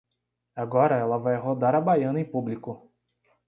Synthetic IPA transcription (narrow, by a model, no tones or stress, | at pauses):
aɡɔɾɐɛlɐvajɦod̪aɾɐbajɐ̃nɐẽpublikʊ